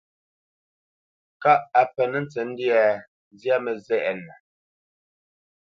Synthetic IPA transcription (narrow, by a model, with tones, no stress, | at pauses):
ka˦ʔa˨pə˨nə˨n˦t͡sɛ˨n̩˦di˦a˦˨˦ | zja˦mə˨zɛ˦˨ʔɛ˨nə˨